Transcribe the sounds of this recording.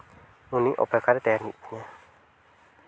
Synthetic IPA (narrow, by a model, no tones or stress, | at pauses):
ũnĩʔo̰pekaɾet̪eɾniɲã